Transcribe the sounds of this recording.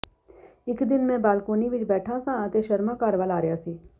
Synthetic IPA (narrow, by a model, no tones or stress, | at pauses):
ɪkd̪ɪnmẽbaːlkoːniʋɪt͡ʃbɛːʈʰãsãt̪eʃɐɾmãkaːɾʋaːlaːɾɪjaːsiː